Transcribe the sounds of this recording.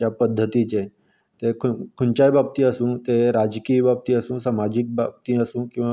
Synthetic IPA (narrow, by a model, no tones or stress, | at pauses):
apəd̪ʱːət̪it͡ʃe | t̪ekʰkʰunt͡ʃajbʱab̚t̪ĩəsũt̪eɾad͡ʒkiːbʱab̚t̪ĩəsũːsamad͡ʑik̚bab̚t̪ĩəsũːkĩw̃ʋa